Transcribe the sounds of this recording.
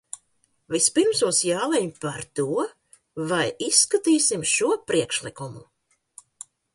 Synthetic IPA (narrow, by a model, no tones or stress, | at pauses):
vispiɾmsuɔsjaːlˠɛɲpaɾt̪uɔ | vajisːkat̪iːsimʃuɔpɾiɛkʃlˠikumu